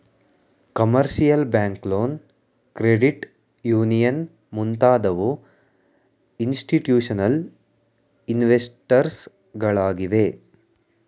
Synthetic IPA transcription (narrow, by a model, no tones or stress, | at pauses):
kɐmɐɾʃijɐlbaːŋkloːn | kɾeɖiʈ | juːnijɐn | munt̪aːd̪ɐʋu | insʈiʈjuːʂɐnɐl | inʋesʈɐɾs | ɡɐɭaːɡiʋe